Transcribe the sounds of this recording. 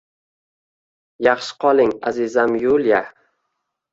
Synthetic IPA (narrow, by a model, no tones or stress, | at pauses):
jɑχʃɪ̥qʰɒlˠɪŋazizamjulja